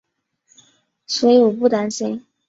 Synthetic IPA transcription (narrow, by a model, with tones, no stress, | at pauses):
swɔ˧˥i˧˥˩ɔ˨˩pu˥˩t̪a˥nɕi˥n